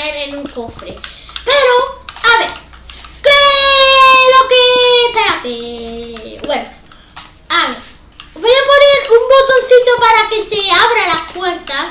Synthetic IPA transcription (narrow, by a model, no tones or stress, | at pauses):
eɾenuŋkofɾḛpe̞ɾoaβeɾke | lo̞kepeɾat̪e | weɾ | ami | βojapo̞neɾumbo̞t̪o̞n̟θit̪o̞paɾakeseaβɾalaskwe̞ɾt̪as